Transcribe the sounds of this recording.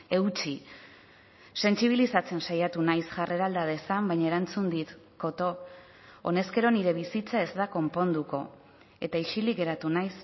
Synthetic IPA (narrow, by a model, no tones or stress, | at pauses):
e̞wt͡ʃi | se̞nsiβ̞ilisat͡se̞nsajat̪unajsʝarʔe̞ɾald̪að̞e̞sambajɲaeɾant͡sund̪it̪ | ko̞t̪o̞ | o̰ne̞ske̞ɾo̞niɾe̞β̞isit͡sae̞zd̪ako̞mpo̞nd̪uko̞ | e̞t̪ait͡ʃiliɡe̞ɾat̪unajs